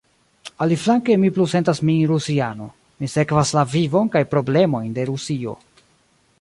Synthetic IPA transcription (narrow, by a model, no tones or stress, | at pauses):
aliflaŋke̞mipluse̞ntasmiɾusiano̞̰ | mise̞kvaslavivo̞nkajpɾo̞ble̞mo̞jnde̞ɾusio̞̰